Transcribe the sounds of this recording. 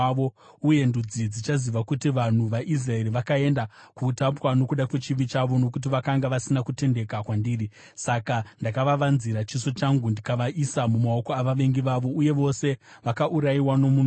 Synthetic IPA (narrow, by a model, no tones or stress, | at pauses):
o̞ | uje̞ndud͡zid͡zit͡ʃaziʋakutiʋan̤uʋaʔizrae̞ɾiʋakae̞ndakutapwano̞kuɗakwe̞t͡ʃiʋit͡ʃaʋo̞no̞kut̬iʋakaŋɡaʋasinakute̞nde̞kakwandiːri | sakandakaʋaʋanziɾat͡ʃiso̞t͡ʃaŋɡundikaʋaʔisamumao̞ko̞aʋaʋe̞ŋɡiʋaʋo̞uje̞ʋo̞se̞ʋakaʔuɾaiwano̞mun